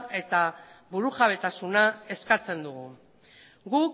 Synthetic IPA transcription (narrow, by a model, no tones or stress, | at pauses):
e̞t̪aβuɾuʝaβe̞t̪asunae̞skat͡se̞nd̪uɣ̞u | ɡuk